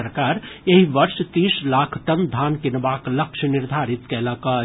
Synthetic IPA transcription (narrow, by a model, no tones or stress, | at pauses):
əɾkaːɾeɦiʋɐɾʃt̪iːslaːkʰʈɐnd̪ʱaːnkɪnʋaːklɐkʃənɪɾd̪ʱaːɾɪt̪keːlaːkaː